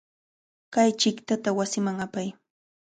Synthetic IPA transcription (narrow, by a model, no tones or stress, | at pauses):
kajt͡ʃɪkt̪at̪awasɪmaŋapaj